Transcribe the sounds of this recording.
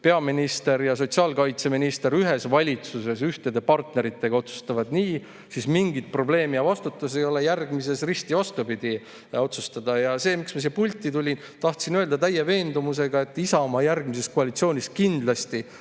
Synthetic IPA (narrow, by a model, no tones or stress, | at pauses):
pe̞ɑminist̪e̞ɾjɑs̬o̞t̪siɑːlkɑjt̪se̞minist̪e̞ɾyɦe̞svɑlʲit̪suse̞syht̪e̞d̪e̞pɑrt̪ne̞ɾit̪ːˑe̞ɡ̥ɑo̞t̪su̥st̪ɑvɑd̪̥niː | sismiŋɡit̪̚pro̞ble̞ːmijɑvɑst̪ut̪ːˑus̬ejo̞lejærɡmise̞srisʲt̪ivɑst̪upid̪̥i | o̞t̪sust̪ɑd̪̥ɑjɑse̞ːmiksmɑsiepulʲt̪ːˑit̪ulʲin | t̪ɑht̪sinø̞ld̪ɑt̪æjeve̞ːnd̪umus̬e̞ɡɑe̞t̪ːˑisɑomɑjærɡ̥mise̞skoɑlʲit̪sio̞ːnʲiskind̪̥lɑst̪i